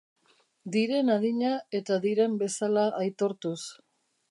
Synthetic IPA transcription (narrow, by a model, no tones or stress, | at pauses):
d̪iɾe̞naðiɲae̞t̪aðiɾe̞mbe̞salaʔːjt̪o̞ɾt̪us